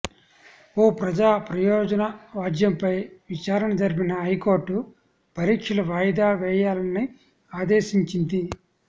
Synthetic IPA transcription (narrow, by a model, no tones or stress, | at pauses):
oːpɾɐd͡ʒaːpɾɐjɔːd͡ʒɐnɐʋaːd͡ʒjɐmpɐjʋit͡ʃaːɾɐnɐd͡ʒɐɾipinɐɦɐjkoːɾʈːu | pɐɾiːkʂɐlɐʋaːjd̪aːʋɛːjaːlɐnːi | aːd̪eːʃiɲt͡ʃind̪i